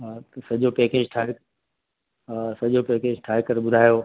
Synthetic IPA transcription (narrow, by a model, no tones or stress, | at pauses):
t̪ɐsɐʄopeːkeːd͡ʒʈʰaːɪk | sɐʄopeːkeːd͡ʑʈʰaːɪkɐɾɓʊd̪ʱaːjo